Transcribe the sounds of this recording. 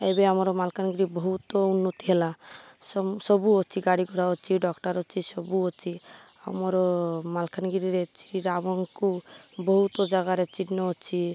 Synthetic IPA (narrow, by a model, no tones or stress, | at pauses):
ebeamɔɾɔmalkanɡiɾibɔɦut̪ɔunːɔt̪iɦela | sɔsɔbuɔt͡ʃʰiɡaɽiɡʱɔɽaɔt͡ʃʰiɖɔkʈaɾɔt͡ʃʰisɔbuɔt͡ʃʰi | a̰mɔɾɔmalkʰanɡiɾiɾet͡ʃiiɾabɔŋkubɔɦut̪ɔd͡ʒaɡaɾet͡ʃiʈnɔɔt͡ʃʰi